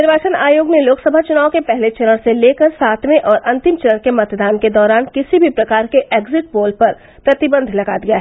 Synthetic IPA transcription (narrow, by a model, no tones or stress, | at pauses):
nɪɾʋaːt͡ʃənaːjoːɡneloːksɐbʱat͡ʃʊnaːõkepɛɦlet͡ʃɐɾəɽ̃seleːkəɾsaːt̪ʰmẽʔɔːɾʔɐ̃nt̪ɪmt͡ʃɐɾəɽ̃kemɐt̪d̪aːnked̪ɔːɾaːnkɪsibʱipɾɐkaːɾkeʔeːɡzɪʈ̚boːlpɐɾ | pɾɐt̪ɪbə̃nd̪ʱlɐɡad̪iaɦɛ